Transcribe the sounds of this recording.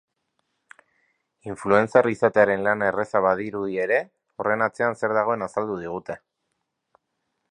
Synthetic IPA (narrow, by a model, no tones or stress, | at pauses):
iɱflue̞nt͡sarisat̪e̞aɾe̞nlane̞re̞saβ̞aðiɾuð̞ie̞ɾe̞ | o̞re̞nat͡se̞anse̞ɾðaɣ̞o̞e̞nasald̪uð̞iɣ̞ut̪e̞